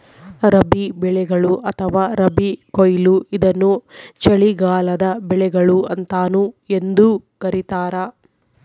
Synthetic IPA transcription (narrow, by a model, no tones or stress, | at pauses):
ɾɐbibɛɭɛɡɐɭuʔɐt̪ʰɐʋaːɾɐbikojluʔid̪ɐnːut͡ʃɐɭiɡaːlɐd̪ɐbɛɭɛɡɐɭuɐnt̪aːnue̞nd̪ukɐɾit̪aːɾɐ